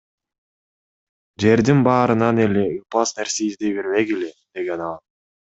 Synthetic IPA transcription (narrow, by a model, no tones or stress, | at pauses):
d͡ʒe̞ɾd̪inbɑːɾɯnɑneleɯpɑsne̞ɾseizd̪ebeɾmeɡiled̪̥e̞ɡe̞nɑlˠ